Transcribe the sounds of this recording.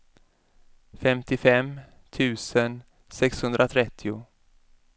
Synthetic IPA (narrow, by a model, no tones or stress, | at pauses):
fɛmt̪ɪfɛm | t̪ʰʉ̟ːsən | sɛkshɵnd̪ɾat̪ʰɾɛt̪ʰːɪʊ